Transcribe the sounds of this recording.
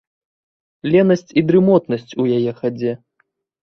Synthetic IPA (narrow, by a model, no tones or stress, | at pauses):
lʲɛnɐsʲt͡sʲid̪ɾɨmɔt̪nɐsʲt͡sʲujajɛxad͡zʲɛ